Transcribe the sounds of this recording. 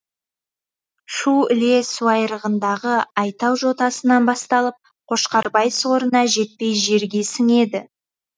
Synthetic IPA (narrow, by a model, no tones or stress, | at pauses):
ʃuɪle̞suɑjɾəʁənd̪ɑʁəɑjt̪ɑwʒo̞t̪ɑsənɑnbɑst̪ɑlˠəp̚ | qʰo̞ʃqɑɾbɑjso̞ɾənɑʒe̞t̪̚pe̞jʒe̞ɾɡʲe̞sɪŋe̞d̪ɪ